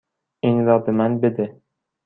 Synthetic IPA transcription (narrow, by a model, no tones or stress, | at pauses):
ɪŋɾɒbɪmanbed̪ɪ